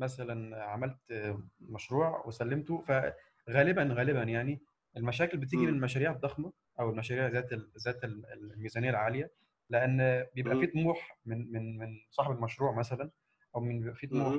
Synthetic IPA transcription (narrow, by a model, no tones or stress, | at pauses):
mæsælænʕamælt̪mæʃɾuːʕwesælːemt̪ofæ | ɣæːlebænɣæːlebænjaʕni | ʔelmæʃæːkelbet̪iːɡimenemæʃæːɾiːʕed̪ːɑxmɑ | ʔæwelmæʃæːɾiːʕzæːt̪ezæːt̪elellmiːzænejːælʕaːlejæ | leʔænːbejebʔæfiːt̪muːħmenmenmensˤɑːħebelmæʃɾuːʕmæsælæn | ʔæwmenbʔæfiːt̪muːħ